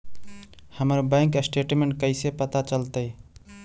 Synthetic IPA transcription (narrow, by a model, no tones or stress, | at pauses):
həməɾbãŋkəsʈeʈmeɳʈ̚kəɪsepət̪at͡ʃəlt̪əj